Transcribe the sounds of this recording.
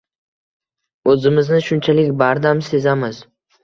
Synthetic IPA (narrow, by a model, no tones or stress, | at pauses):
ɵzɪmɪznɪʃʊnt͡ʃʰalɪkʲbaɾd̪amse̞zamɪz